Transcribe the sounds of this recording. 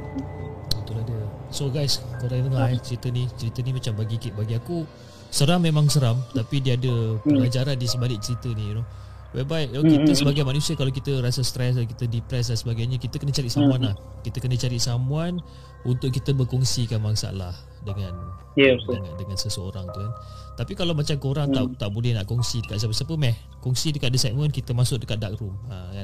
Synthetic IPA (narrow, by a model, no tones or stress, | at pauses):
ut̪uladəsoɡajskoɾanəŋaɛt͡ʃəɾit̪ənit͡ʃəɾit̪ənimat͡ʃambaɡikiʔbaɡiaku | səɾamːemãŋsəɾamt̪apidiəadəpəlad͡ʒaɾandisəmbalɪʔ̚t͡ʃəɾit̪ənijuno | wabaiʔokit̪əsəbaɡajmanũsiəkalawk̬it̪əɾasast̪ɾɛs̬dakit̪ədipɾɛs̬dansəbaɡajɲakit̪əkənət͡ʃaɾiʔsamuanlah | kit̪əkənət͡ʃaɾiʔsamũan | unt̪ʊʔkːit̪əbərkɔŋsikanmaŋsa̰la̰h | dəŋãn | jdəŋandəŋansəsəo̰ɾaŋt̪un | t̪apikalawmat͡ʃamkoɾaŋt̪at̪aʔbolɛhnaʔkɔŋsidəkat̪s̬ap̬əsapəmɛh | kɔŋsidəkat̪̚disat̪̚mə̃nkit̪əmasʊk̚dəkat̪̚dak̚ruməkan